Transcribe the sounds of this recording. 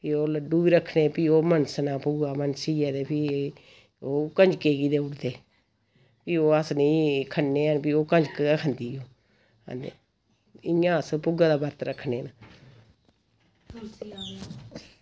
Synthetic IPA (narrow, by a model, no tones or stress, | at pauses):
piːoːləɖːũːbiːɾəkʰːneːpiːoːmənsnãːpʊɡaːmənsiːɛːd̪eːpʰiː | oːkəɲd͡ʒkeːɡiːd̪eːʊɽd̪eː | piːoːəsnĩːkʰənːeːənpiːoːkəɲd͡ʒkːaːkʰənd̪iːoː | ə̰nd̪ḛː | ɪãːəspʊɡaːd̪aːbəɾt̪ɾəkʰːneːna